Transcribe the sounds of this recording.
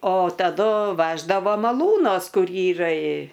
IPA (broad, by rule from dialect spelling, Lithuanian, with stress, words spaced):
oː tɐˈdʊ ˈʋʲæːʒdɐʋoː mɐˈlˠuːnoːs ˈkʊr ˈiːrɐ ɪ